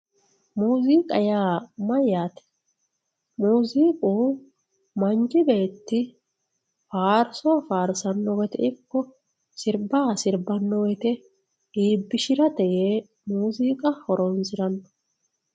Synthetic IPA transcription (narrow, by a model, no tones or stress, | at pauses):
muːziːkʼɐ̰jaːmɐjaːt̪ɛ̥ | muːziːkʼuː | mɐnd͡ʒɪbe̞ːt̪ːɪ | faːɾsɔːfaːɾsɐnːɔwɛt̪ɛ̰ɪkːɔ | sɪɾbaːsɪɾbɐnːɔwɛt̪ɛ | iːbːɪʃɪɾɐt̪ɛjeː | muːziːkʼɐhɔɾonsɪɾɐnːɔ̥